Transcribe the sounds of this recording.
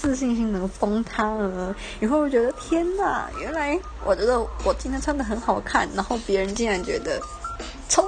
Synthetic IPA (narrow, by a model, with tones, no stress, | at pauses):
ɹ̩˥˧ɕi˥˧ŋɕi˥ŋnɤ˧˥ŋfɑ˥ŋt̪ʰa˥lə˧˩˨ | xo˥˩ʊwo˥˩t͡ɕɥɛ˧˥d̪ə˧t̪ʰjɛ˥na̰˨˩ɥɛ̰˧˥nla˧˥ɪ | wʔɔ̰˨˩t͡ɕɥɛ˧˥d̪ə˧wʔɔ˨˩t͡ɕi˥nt̪ʰjnt͡sʰɑ˥ŋd̪ə˨˩xə˧˥nxɑ˨˩ʊkʰa˥˩nna˧˥nxo˥˩ʊpjɛ˧˥ɻə˧˥nt͡ɕi˥˩nɻa˧˥nt͡ɕɥɛ̰˧˥d̪ə˧ | t͡sʰo˥